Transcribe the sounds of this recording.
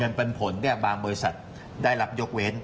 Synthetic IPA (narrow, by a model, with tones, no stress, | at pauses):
ɤ˧npe˧npʰo˩˦nːɛ˥˩ɐbaː˧ŋbɔː˧ɾi˦˥sa̰˨˩t̪̚ | daː˥˩jla˦˥p̚jo˦˥k̚we˦˥n